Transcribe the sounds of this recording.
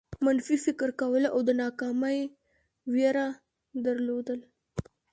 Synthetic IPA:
manfifɪkɾkawəla̰wd̪ənɑkɑmaj | wjeɾa | d̪əɾlod̪əl

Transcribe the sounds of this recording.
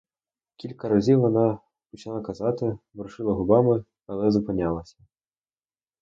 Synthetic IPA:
kʲilʲkɐɾɐzʲiwʋɔnɑ | pɔt͡ʃɪnlˠɑkɐzɑt̪ɪbɾʊʃɪlˠɐɦʊbɑmɪ | ɐlˠɛzʊpɪnʲɑlˠɐsʲɐ̥

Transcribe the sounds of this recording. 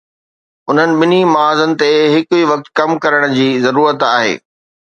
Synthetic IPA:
ʊn̤ənɪ̆ɓɪnimɐaːzənɪ̆t̪eɦɪkʊiʋɐk̚t̪kɐmkɐɾəɽ̃d͡ʑiːzɐɾuːɾət̪aːɦḛː

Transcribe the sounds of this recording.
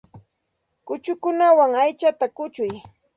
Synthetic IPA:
kʊt͡ʃʊkʊnawaŋajt͡ʃat̪akʊt͡ʃʊj

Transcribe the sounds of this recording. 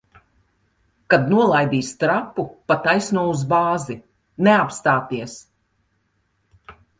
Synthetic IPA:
kad̪nuɔlˠajd̪iːst̪ɾapːupat̪ajsnuɔuzbaːzi | neapst̪aːt̪iɛs

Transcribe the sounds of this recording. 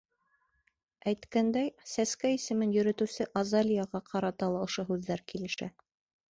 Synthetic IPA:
æjt̪kænd̪æjsæskæisɘ̆mɘnjɵ̆ɾɵ̆t̪ɘ̆wsɘʔɑzɑlʲijɑʁɑqʰɑɾɑt̪ɑlˠɑŏʃoɦʉðːæɾkilɘ̆ʃæ̰

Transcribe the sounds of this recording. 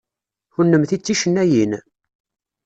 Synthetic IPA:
ʊnːəmθit͡sːiʃənːæjin

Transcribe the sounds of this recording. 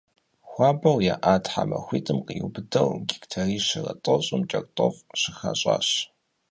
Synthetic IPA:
xʷɑːbɐwjaːʔaːtʰħamɐxʷiːtʼɨmqiubɨdɐwɡʲiktʰɐriːʃɪrɐ̰tʼoɕʼʊmt͡ʃʼɐrʼtʼofʼɕɪxaɕʼaːɕ

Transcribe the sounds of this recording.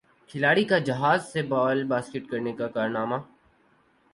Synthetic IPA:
kʰɪlaːɽikad͡ʒɐɦaːzsebaːlbaːskɪʈkɐɾnekakaːɾnaːmaː

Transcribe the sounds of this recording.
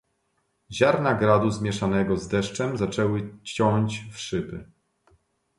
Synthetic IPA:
ʑaɾnaɡɾad̪uzmʲjɛʂanɛɡɔzd̪ɛʂt͡ʂɛmzat͡ʂɛwɘt͡ɕɔɲt͡ɕfʂɘbɘ

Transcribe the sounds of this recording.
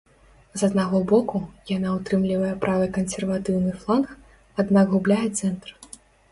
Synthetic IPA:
zɐd̪naɣɔbɔkujanaut̪ɾɨmlʲivɐjɛpɾʔavɨkɐnsʲɛrvat̪ɨwnɨflˠanx | ad̪nakɣublʲajɛt̪sɛnt̪r

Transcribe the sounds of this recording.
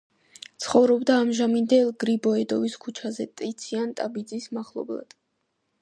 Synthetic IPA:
t̪sʰχɔvɾɔbd̪aːmʒamind̪ɛlˠɡɾibɔɛd̪ɔviskʰut͡ʃʰazɛt̪ʼit̪sʰiant̪ʼabid̪zismaχlˠɔ̰blˠa̰d̪̥

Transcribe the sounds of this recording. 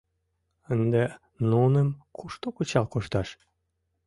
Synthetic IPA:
ənd̪e | nonəmkʰuʃt̪okut͡ɕɑlkoʃt̪ɑʃ

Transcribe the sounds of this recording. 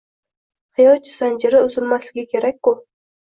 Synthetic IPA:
hɪjɒt͡ʃʰɪz̥and͡ʒɪɾɪʊzɪlmaslɪɡʲɪkʲʰe̞ɾak̚ʲkːʊ

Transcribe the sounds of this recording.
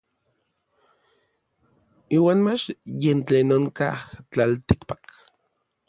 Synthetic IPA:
iːwaːnmat͡ʃjent͡ɬeːnoŋkaht͡ɬalt̪ikpak

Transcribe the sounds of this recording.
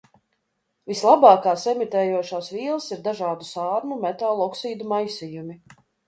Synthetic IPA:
vislˠabɑːkaːsɛmit̪ɛːjuɔʃaːsvʲiːlˠsiɾd̪aʒaːd̪usaːɾmumɛt̪alˠɔksiːd̪umajsʲijumi

